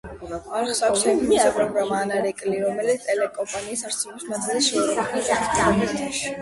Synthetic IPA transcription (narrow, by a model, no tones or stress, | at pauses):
aɾχsakkssɛɡʰmiapʼɾɔɡɾamaːnaɾɛkʼliɾɔmɛlit̪st̪ʼɛlɛkʼɔmpʼaniːsaɾsʰɛlɔpsmad̪zilʃiuɾɔiaaist̪ʰaʃi̥